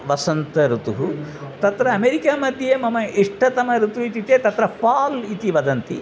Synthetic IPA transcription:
ʋɐsɐnt̪ɐɾut̪uɦut̪ɐt̪ɾɐːmeːɾikaːmɐd̪ʱjɐjemɐmɐiʂʈʰɐt̪ɐmɐɾut̪uit̪it̪et̪ɐt̪ɾɐpaːlit̪iʋɐd̪ɐnt̪i

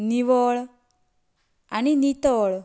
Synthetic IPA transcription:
niʋɔɭ | aninit̪ɔɭ

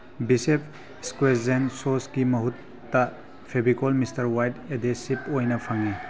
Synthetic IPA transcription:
bisepʰ | skwezensosɡimɐɦutː | ɐ | pʰebikolmistɐɾwajtedesipojnɐpʰɐŋi

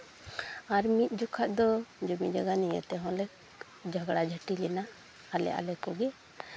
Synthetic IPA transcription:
aɾmit̪̚ˀd͡ʒɔkʰad̪ɔd͡ʒumid͡ʒaɡanijə̰t̪ɛɦɔ̃lɛ | d͡ʒʱaɡɽad͡ʒʱəʈilɛna | halɛ̰ʔa̰lɛkɔɡɛ

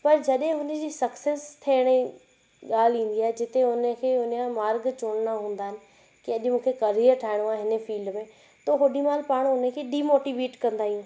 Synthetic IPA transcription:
pɐɾd͡ʑɐɗɦɪ̃ɦʊnə̆d͡ʑiːsɐkseːst̪ʰeɽ̃i | ɠaːlĩːn̆d̪iaːɦed͡ʑɪt̪eɦʊnəkʰeːɦʊnjãmaːɾɡt͡ɕoːɽ̃naɦũːn̆d̪aːɦɪnɪ̆ | kiɐʄmũːkʰekɐɾiːʈʰaːɪɽ̃uaːeɦɪnəfiːlɖmẽ | t̪oɦʊɗimaːlpaːɽ̃ʊnəkʰeːɗiːmoːʈiʋeːʈkɐ̃nd̪aːɦijũː

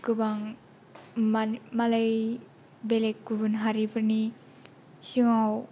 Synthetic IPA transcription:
kɯbaŋ | malaj | belek̚ɡubɯnɦaɾipʰɯɾni | siŋaw

